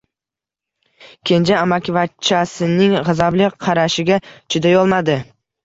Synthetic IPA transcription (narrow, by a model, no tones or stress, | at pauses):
kʲʰe̞nd͡ʒaamakʲvat͡ʃʰːasɪnɪŋʁɨzablɪqʰɑɾaʃɪɡʲat͡ʃʰʊd̪ajɒlˠmad̪ɪ